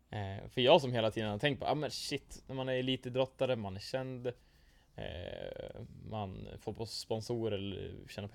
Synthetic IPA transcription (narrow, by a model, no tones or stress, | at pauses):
fœɾjɑːɡsɔmheːlat̪ʰiːd̪ənhaɾt̪ʰɛŋkt̪̚pɔ̰ːʔɑ̰ːmɛnɕɪt̪ːnæɾmanæɾɭiːt̪əd̪ɾɔt̪ːad̪əmanæɾɕɛnd̪̰ | ma̰nfoːɾpʰɔspɔnsuːɾɛlːɛ̰ɾɕɛːnapʰ